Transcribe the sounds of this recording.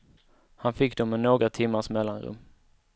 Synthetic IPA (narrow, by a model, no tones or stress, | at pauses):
hanfɪkːd̪ɔmənoːɡɾat̪ʰɪmːaʂmɛlːanɾɵ̰mː